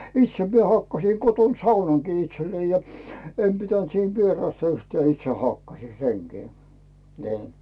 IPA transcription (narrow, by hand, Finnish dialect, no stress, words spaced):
itse mie hɑkːɑsiˑ koton sɑunɑŋkiː itselːei jɑ em pitænt siːn ʋierɑstɑ yhtæː itse hɑkːɑsiˑ seŋkiː ni̞ː